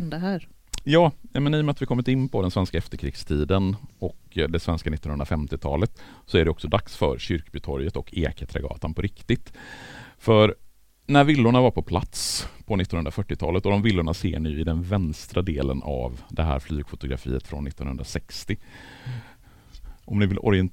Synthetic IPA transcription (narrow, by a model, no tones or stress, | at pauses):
nd̪əɦæːɾ | jɑːjamɛniːjɔmɛat̪vɪkʰɔmːɪt̪ɪnːpʰɔd̪ɛnsvɛnskaɛft̪əɾkʰɾɪkst̪ʰiːd̪ənɔkd̪ɛsvɛnskanɪt̪ːɔnhɵnd̪ɾafɛmt̪ɪt̪ʰɑːlət̪sɔæɖɛɔksɔd̪aksfœ̰ɾɕʏɾkbʏt̪ʰɔɾjət̪ɔkʰːeːkət̪ʰɾɛ̰ɡɑ̰ːt̪anpʰɔɾɪkt̪ɪt̪ | fœɾ | næɾvɪlːʊɳavaɾpʰɔpʰlat̪spʰɔnɪt̪ːɔnɵnd̪ɾafœʈːɪt̪ʰɑ̰ːlət̪ɔd̪ɔmvɪlːʊɳasḛːɳɪjɪd̪ɛnvɛnst̪ɾad̪eːlə̰nʔa̰vd̪ɛɦæ̰ːɾflyːɡfʊt̪ʊɡɾa̰fḭːət̪fɾɔ̰nːɪt̪ːɔnhɵnd̪ɾasɛkst̪ɪ | ʔɔmnɪvɪlʔɔ̰ɾɪɛn